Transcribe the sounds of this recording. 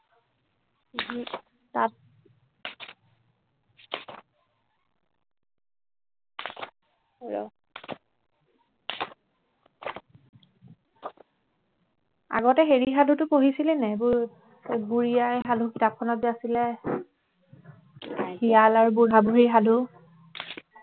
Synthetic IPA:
i | tat | ɹɔ̰ | a̰ɡɔtɛɦeɹixadʱutʊpoɦisilɛnɛbʊɹ | buɹijajɦadʱukitap̚kʰɔnɔdiasilɛ | hijalaɹubuɹabuɦeiɦadʱu

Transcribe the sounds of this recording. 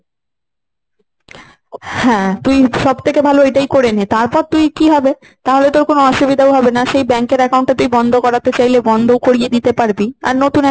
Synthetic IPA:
hɛ̃t̪ujʃɔbt̪ʰekebʱaloeʈajkoɾenit̪aɾpɔɾt̪ujkiɦɔbe | t̪aɦolet̪oɾkonoɔʃubid̪ʱaowɦɔbenaʃejbɛŋkeɾɛkaw̃ɳʈːat̪uibɔnd̪ʱokɔɾat̪et͡ɕajlebɔnd̪ʱowkoɾied̪it̪epaɾbia̰ɾnot̪un

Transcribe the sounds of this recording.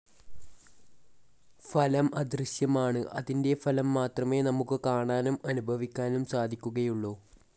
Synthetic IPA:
fɐlɐmʔɐd̪rɨɕjɐmaːɳɨʔɐðinde̞fɐlɐmːaːt̪rɐme̞ːnɐmukːɨkaːɳaːnumɐnubʱɐʋikʲːaːnumsaːd̪ʱikʲːuɣɐjuɭːoː

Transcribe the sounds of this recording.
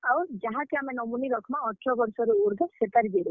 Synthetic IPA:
awd͡ʒaɦãkeamenɔmuniɾɔkʰɔmaɔʈʰɔɡɔɾsɔɾuuɾd̪ʱɔset̪aɾid͡ʒeɾe

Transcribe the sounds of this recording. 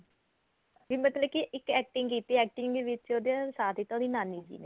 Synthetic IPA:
bimət̪ləbkiʔɪkɛːk̚ʈɪ̃ŋɡkiːt̪iɛːk̚ʈɪ̃ŋɡɡ̪eʋɪt͡ʃoːd̪iãsaːt̪ʰiːt̪ãd̪iːnãːniːd͡ʒḭːne

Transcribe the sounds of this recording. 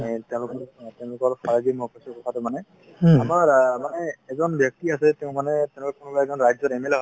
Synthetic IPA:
tɛʊ̃lʊkɔɹtɛʊ̃lʊkɔɹfaɹaɡimɔkɔsɔkɔtʰatʊmanɛ | amaɹmanɛːzɔnbjɔk̚tiasɛtɛʊ̃manɛtɛ̃ʊ̃ʊkɔkːunubaɛzɔnɹajzɔtɛmelɦɔ

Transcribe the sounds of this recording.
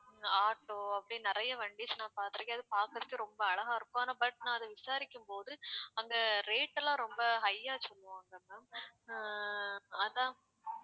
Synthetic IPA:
aːʈːoːɐpːɐɽinɪɾɐjɐʋɐɳɖisnãːpaːɾt̪ɪɾɐkeːɐðɯpaːɾkɾɐðɯkːɯɾɔmbɐɐɭɐɣaːɪɾɯkːõaːnɐbɐʈ̚nãːɐðɯʋɪsaːɾɪkʲːɯmpoːðɯɐŋɡɐɾeːʈːɛlãːɾɔmbɐɦɐjːaːsɔlːɯʋaːŋɡɐmɐ | ɐðãː

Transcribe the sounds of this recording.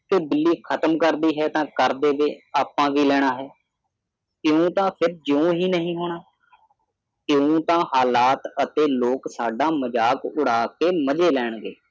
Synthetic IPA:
keːbɪlːiːkʰət̪əmkəɾd̪iːɦɛːt̪ãːkəɾd̪eːʋeːaːpːãːʋiːlɛːɽ̃aːɦɛː | kjõːt̪ãːpʰɪɾd͡ʒũːɦiːnəɦĩːɦoːɽ̃aː | kjõːt̪ãːɦaːlaːt̪ət̪eːloːksaːɖaːməd͡ʒaːkʊɽaːkeːməd͡ʒeːlɛːɳɡḛː

